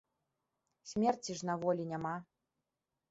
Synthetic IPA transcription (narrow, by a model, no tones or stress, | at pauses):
sʲmʲɛrt͡sʲiʐnavɔlʲinʲama